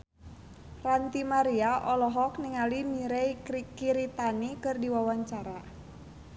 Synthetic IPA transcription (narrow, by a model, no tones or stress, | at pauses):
rant̪imaɾiaʔɔlɔɦɔkniŋalimiɾɛjkikiɾit̪anikɨrdiwawaɲt͡ʃaɾa